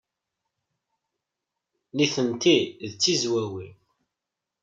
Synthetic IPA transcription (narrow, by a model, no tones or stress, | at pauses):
niθənt̪iðt͡sːizwæwi